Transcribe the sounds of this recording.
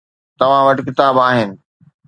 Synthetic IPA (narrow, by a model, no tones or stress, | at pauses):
t̪ɐʋ̤ãʋɐʈɪkɪt̪aːbaːɦɪnɪ̆